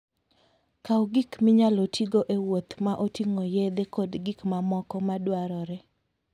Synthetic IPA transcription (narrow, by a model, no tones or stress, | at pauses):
kawɡikmɪɲalotʰiɡoʔewot̪maʔotiŋojed̪ekodɡikmamɔkɔmadwaɾɔɾɛ